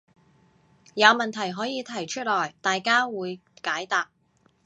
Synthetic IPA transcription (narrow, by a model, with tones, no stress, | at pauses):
jɐ˨˧wmɐ˨nt̪ʰɐ˨˩jɦɔː˨˥jiː˨˧t̪ʰɐ˨˩jt͡ʃʰɵ˥t̚lɔː˨˩jt̪aː˨jkaː˥wuː˨˧jkaː˨˥jt̪aː˨p̚